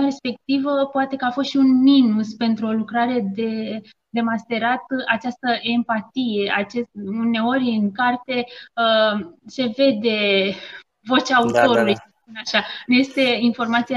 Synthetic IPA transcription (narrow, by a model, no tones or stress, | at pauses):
ɾe̞spe̞k̚t̪ivəpoat̪e̞kəafost̪ʃiunminuspe̞nt̪ɾuo̞lukɾaɾe̞d̪e̞ | d̪e̞mast̪e̞ɾat̪at͡ʃast̪əʔe̞mpat̪ije̞ʔat͡ʃesune̞o̞rʲɨŋkart̪e̞əse̞ve̞d̪e̞ | vo̞t͡ʃaːut̪o̞ɾulujspunaʃanje̞st̪e̞info̞rmat̪sia